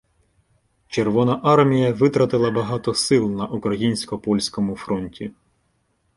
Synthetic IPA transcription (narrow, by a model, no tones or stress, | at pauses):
t͡ʃerʋɔnɐʔɑrmʲijɐʋɪt̪ɾɐt̪ɪlˠɐbɐɦɑt̪ɔsɪlˠnɐʔukɾɐjinʲsʲkɔpɔlʲsʲkɔmʊfɾɔnʲtʲi